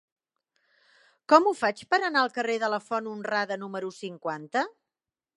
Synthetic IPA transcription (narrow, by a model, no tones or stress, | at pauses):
kɔmufat͡ʃpəɾənaəlˠkəreðələfɔnunraðənuməɾusiŋkwant̪ə